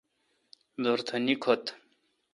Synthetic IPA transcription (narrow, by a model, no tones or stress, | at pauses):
d̪oɾt̪ʰɐnikʰot̪